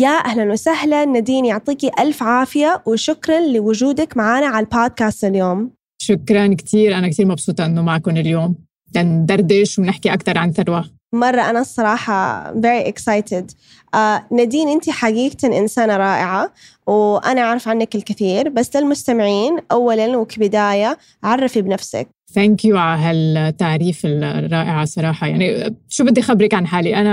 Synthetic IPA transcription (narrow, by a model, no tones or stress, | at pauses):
jaːʔahlanwasahlanːad̪iːnjʊʕt̪ˤiːkiʔalfʕaːfɪjawɪʃʊkɾˤɑnlɪwʊd͡ʒuːd̪akmaʕaːnaʕalboːd̪̚kaːst̪ɪljoːm | ʃʊkɾˤɑnkt̪ʰiːɾʔanak̚t̪iːɾmɑbsˤuːt̪ˤɑʔɪnːʊmaʕkʊnɪljoːm | laʔnd̪ɑɾˤd̪ɪʃwnɪħkiʔakt̪ɑɾˤʕanθɑɾˤwa | mɑrˤːɑʔanasˤːɑɾˤɑːħɑ̰veɾiʔɪksajt̪ɪd̪ | ʔanad̪iːnʔɪnt̪iħaɡiːɡt̪aʔɪnsaːnɾˤɑːʔɪʕa | wʔanaʔaʕɾˤɑfʕanːakɪlkɪθiːɾbasːlɪlmʊst̪amɪʕiːnʔawːalalnwɪkbɪd̪aːja | ʕɑrˤːɑfibnafsa̰k̚ | θæŋkjuʕaɦalt̪ːaʕɾiːfɪlrˤːɑːʔɪʕɑsˤɑɾˤɑːħɑjaʕniʃuːbɪd̪ːixabɾɪkʕanħaːliʔana